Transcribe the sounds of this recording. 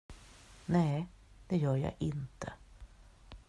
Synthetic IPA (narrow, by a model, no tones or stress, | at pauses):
nɛːd̪̥ɛjœːɾjɑ̰ːʔɪnt̪ʰə